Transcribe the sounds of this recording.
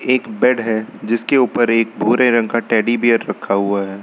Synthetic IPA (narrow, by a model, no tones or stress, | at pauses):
eːkbɛɖɦɛd͡ʒɪskeuːpəɾeːk̚bʱuːɾẽɾə̃ŋɡkaʈɛːɖibijəɾːɐkʰːaɦuaɦɛː